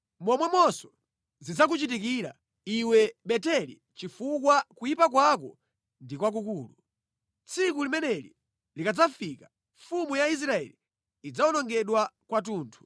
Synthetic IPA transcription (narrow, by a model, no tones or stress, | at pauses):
mɔmwɛmɔsɔ | zid͡zak̬ut͡ʃit̬ikiɾa̰ | iwɛɓɛtɛlḭ | t͡ʃifuk̬wakujipak̬wak̬ɔ | ndikwak̬ukuːlu | t͡sʰikulimɛnɛlḭ | likad͡zafika | ɱfumujais̬ɾaɛ̰li | id͡zaɔnɔŋɡɛɗwakwat̬uːntʰu̥